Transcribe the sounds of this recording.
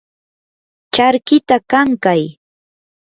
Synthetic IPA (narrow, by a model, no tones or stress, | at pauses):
t͡ʃaɾkɪt̪akaŋkaj